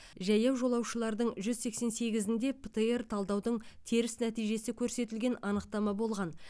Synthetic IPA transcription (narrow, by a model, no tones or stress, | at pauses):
ʒɑjɑwʒo̞lˠɑwʃəlˠɑɾd̪əɴʒʏzse̞kse̞nse̞ɡʲɪzɪnd̪e̞pʰət̪ee̞rt̪ʰɑlˠd̪ɑwd̪əɴt̪ʰe̞ɾɪsnæt̪ijʒe̞sɪkʲʰɵɾse̞t̪ɪlɡʲe̞nɑnəq̚t̪ɑmɑbo̞lˠʁɑn